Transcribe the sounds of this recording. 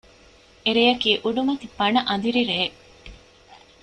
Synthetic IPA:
eɾejɐkiːʔuɖumɐt̪ipɐnɐʔɐnd̪iɾiɾeː

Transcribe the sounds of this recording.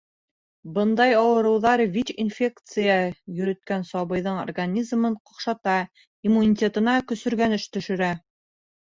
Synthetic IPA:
bɤnd̪ɑjɑwɤ̆ɾɤ̆wðɑɾvit͡ɕinfʲe̞kt̪sɨjajɵ̆ɾɵ̆t̪̚kænsɑβɤ̆jðɤɴo̰rɡanʲizmɤɴqŏqʃɑt̪ɑ | imunʲitʲet̪ɤ̆nɑkɵ̆sɵ̆ɾɡænɘʃt̪ɵ̆ʃɵ̆ɾæ

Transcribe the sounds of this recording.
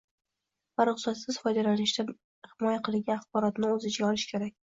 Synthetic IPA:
b̥aɾʊqsɒt̪sɪz̥fɒjd̪alanɪʃt̪a | hɪmɒjaqʰɨlɪɡʲaːχbɒɾɒt̪nɪɵzɪt͡ʃɡʲaɒlɪʃkʲʰe̞ɾak̚ʲ

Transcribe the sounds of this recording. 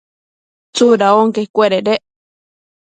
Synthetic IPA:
t͡suɾaoŋkeikʷeɾeɾeʔ

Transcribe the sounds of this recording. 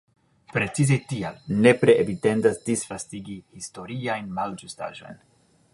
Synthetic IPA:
pɾe̞t͡sizetialne̞pɾe̞ʔevite̞ndasdisfastiɡihisto̞ɾiajnmald͡ʒusta̰ʒo̞̰jn

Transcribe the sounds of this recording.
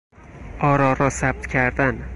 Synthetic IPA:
ɒɾɒɾɒsab̚t̪kʲʰaɾd̪an

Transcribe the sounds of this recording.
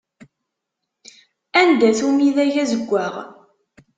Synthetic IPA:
ænd̪æθumiðæʝæzəɡʷːæʁ

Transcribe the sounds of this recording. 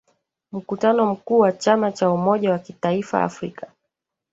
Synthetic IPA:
m̩kutanɔm̩kuːwat͡ʃamat͡ʃaumɔʄawakitaifa̰a̰fɾikḁ

